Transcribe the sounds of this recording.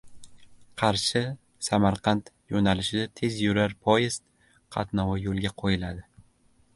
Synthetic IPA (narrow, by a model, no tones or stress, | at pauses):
qʰɑɾʃɪ | samaɾqʰɑnt̪ | jonalɪʃɪd̪at̪ʰe̞zjʊɾaɾpʰɒjɪzt̪ | qʰɑ̰t̪nɒwajolˠɡʲaqʰojɪlad̪ɪ